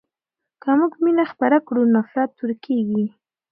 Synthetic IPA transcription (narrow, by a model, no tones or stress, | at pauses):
kamuɡminaxpaɾakɽunɑfɪɾɑt̪ːuɾkeɡi